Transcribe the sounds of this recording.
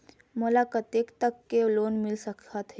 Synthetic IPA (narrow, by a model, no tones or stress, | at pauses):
mʊlaːkət̪eːkt̪ɐkːeloːnmɪlsɐkʰat̪ʰɦe